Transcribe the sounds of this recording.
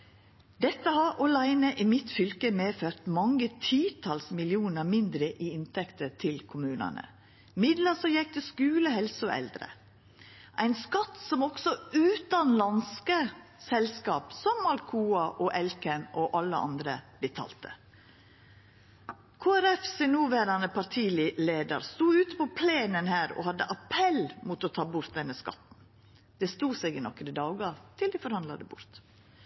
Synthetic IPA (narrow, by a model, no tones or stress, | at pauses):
d̪ɛt̪ːəhɑɾʔɔlæɪnəʔimɪt̪fʏlkəmeːføːt̪mɑŋːət̪ʰiːt̪ʰɑlsmɪlɪuːnəmɪnd̪ɾəʔiːɪnt̪ʰɛkt̪ət̪ʰɪlkʰʊmʉːnə̰nə̰ | mɪd̪ləsɔjɛk̚t̪əskʉːləɦɛlsoʔɛ̰ld̪ɾə̰ | ʔæɪnskɑt̪sɔmɔɡsɔʉːt̪ɑnlɑnskəsɛlskɑːpsɔmːɑlkʰuːɑʔɔʔɛlkənɔʔɑlːəɑ̰nd̪ɾə̰d̪ɪt̪ʰɑ̰ːlt̪ə̰ | kʰoːæɾɛfsɪnʉːʋæɾɑnəpɑɾt̪ʰiːlleːd̪ə̰ɾst̪uːʉːt̪ə̥pɔpʰleːnənhæːɾɔ̰hɑd̪ːəʔɑpʰɛlmʊt̪ɔt̪ʰɑːbʊɾt̪̚d̪ɛnːəskɑ̰t̪n̩ | d̪̥ɛst̪uːsɛɡɪnɔkːəɾɪd̪ɑːɡɑɾt̪ʰɪld̪ɪfɔɾhɑnd̪lɑ̰d̪əbʊ̰ɾt̪